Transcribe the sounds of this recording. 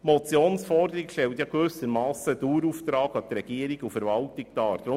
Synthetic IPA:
mɔt͡sjoːnsfɔrd̪əɾikʃtɛltjɑɡʋøsəɾmɑːsəd̥̪uːɾuft̪ɾɑːɡɑt̪ɾɛɡ̥iːəɾiɡufəɾʋɑltiktɑːɾd̪ɾʊ

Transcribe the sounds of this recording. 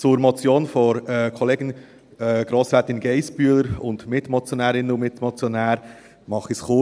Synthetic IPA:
t͡sʊɾmɔt͡sjoːnfɔɾɛkʰɔleːɡən | ɛɡ̥ɾoːsfɛːt̪ɪnɡɛɪspyələɾʊndmɪtmɔt͡sjonæːɾɪnənʊmɪt̪mɔt͡sjɔnæːɾ | mɑχisχo

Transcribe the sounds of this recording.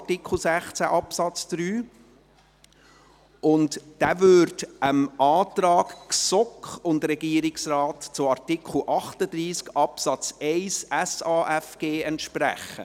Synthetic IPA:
tikχl̩ˠsæχt͡sæʔɑpsɑt͡sd̥ɾyː | ʔʊntd̥æːvʏɾdəmʔɑːtɾɑːkksɔkχʊndɾɛɡiəɾɪksrɑːtt͡sʊɑɾtikχl̩ʔɑχtəd̪ɾiːskɑpsɑt͡sɛɪsɛsɑːʔɛfɡ̥eːɛntʃpɾæ̰χə̰

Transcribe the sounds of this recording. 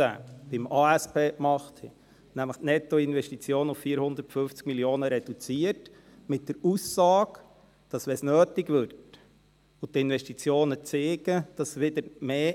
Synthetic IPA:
æ̰b̥ɪmɑːæspeːkmɑχt̪hɛ̰ | næmləχtnɛtɔɪnʋɛʃtit͡sjoːnʊffiːəɾhʊnd̪ətfʏft͡skmiljoːnəɾɛd̥ut͡siət | mɪt̚d̥əɾusːɑːk | d̥ɑsʋɛsnøːtikʋʏɾt | ʊt̪ɪnʋɛʃtit͡sjoːnət͡seːɡəd̥ɑsʋɪd̪əɾmeː

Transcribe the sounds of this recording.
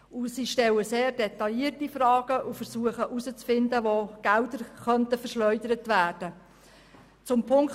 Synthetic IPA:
ʊsiːʃtɛləseːrdɛtɑjiːrtifrɑːɡ̥əʔʊfəɾsuəχəʔusət͡sfɪndəʋoɡ̥ældəɾχœntəfərʃlœʏdəɾətʋæːrd̥ə | t͡sʊmpʰʊŋk

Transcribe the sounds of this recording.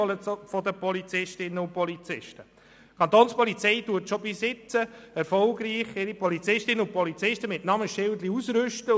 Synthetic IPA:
ləfɔd̪əpɔlit͡sɪʃtɪnːəʊnpɔlit͡sɪʃtə | kʰɑnt̪oːnspɔlit͡sɛɪtuːətʃobisɪt͡səɛɾfɔlɡɾiːχɪɾipɔlit͡sɪʃtɪnəʊnpɔlit͡sɪʃtəmɪtnɑməʃɪld̪liusɾʏʃtə

